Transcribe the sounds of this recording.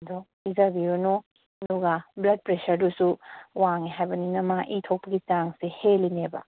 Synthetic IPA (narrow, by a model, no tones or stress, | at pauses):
dɔ | izabiɾunu | duɡablɐd̚pɾesɐɾdusuwaŋeɦajbɐninɐmaʔitʰok̚pɐɡit͡ʃaŋsehelineba̰